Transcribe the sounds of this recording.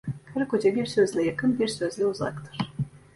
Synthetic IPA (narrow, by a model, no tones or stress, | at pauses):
kʰaɾkod͡ʒabiɾsøzlʲɛjakʰɯnbiɾsøzlʲɛuza̰kt̪ʰɯ̥ɾ̥